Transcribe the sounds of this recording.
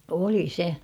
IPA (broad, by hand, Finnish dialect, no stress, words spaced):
oli se